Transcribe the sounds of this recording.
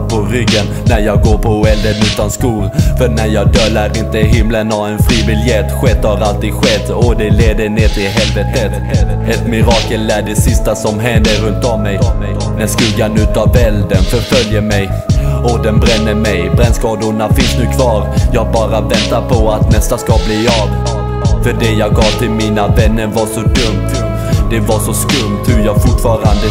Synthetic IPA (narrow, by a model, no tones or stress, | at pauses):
pʰɔɾʏɡːənːæɾjɑːɡɡoːɾpʰɔɛld̪ənʉ̟ːt̪anskuːlfœɾnæɾjɑːɡ̚d̪œlːaɾɪnt̪əɪɦɪmlənhaɛnfɾiːvɪljɛt̪ːɧɛt̪ːhaɾalt̪iːd̪ɧɛt̪ːɔd̪ɛleːd̪əneːt̪ɪɦɛlvɛt̪ət̪ | ɛt̪mɪɾɑːkəlːæɖɛsɪst̪asɔmɦɛnd̪əɾɵnt̪ɔmːɛj | mɛnskɵɡːanʉ̟ːt̪avɛld̪ənfœɾfœljəmɛj | ɔd̪ɛnbɾɛnːəmɛjbɾɛnskɑːd̪ʊnafɪnsnʉ̟ːkʰvɑːɾjɑːɡ̚bɑːɾavɛnt̪aɾpʰɔat̪nɛst̪askabliːɑv | fœɖɛjɑːɡɡɑːvt̪ʰɪlmiːnavɛnːəɾvaʂɔd̪ɵmt̪ | d̪̥ɛvaʂɔskɵmt̪hɵɾjɑːɡfʊʈfɑːɾand̪ə